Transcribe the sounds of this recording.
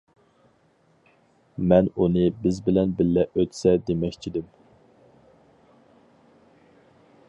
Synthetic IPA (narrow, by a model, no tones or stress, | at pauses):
mɛnunɨbɪzbɪlɛnbɪlːɛøt̪sɛd̪emɛkʲt͡ʃʰid̪ɪm